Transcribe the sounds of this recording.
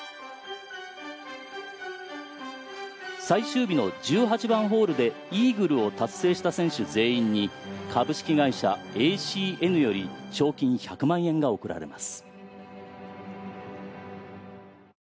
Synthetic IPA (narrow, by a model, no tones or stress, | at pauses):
saiɕɨːbʲino̞d͡ʑɨːɦat͡ɕibãɰ̃ɦo̞ːɾɯ̟d̪e̞iːɡɯ̟ɾɯ̟o̞t̪asːe̞ːɕi̥t̪asẽ̞ɰ̃ɕɨze̞ːĩɲ̟ːi | kʰabɯ̟ɕi̥kʲiɡaiɕa̰eɕiːe̞nɯ̟jo̞ɾʲiɕo̞ːkʲĩɰ̃çakɯ̟mãɰ̃ẽ̞ŋɡao̞kɯ̟ɾa̰ɾe̞̰ma̰sɨ̥